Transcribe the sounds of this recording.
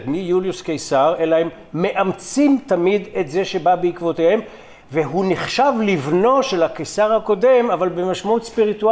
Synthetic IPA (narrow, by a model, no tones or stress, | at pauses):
tmijuljuskejsaʁelaemː | e̞ʔamt͡simt̪amid̪e̞t̪ze̞ʃe̞babeikvo̞t̪ehe̞m | veɦuniχʃavlivno̞ʃelhakejsaʁhako̞d̪e̞mavalbe̞maʃmaut̪spiʁitua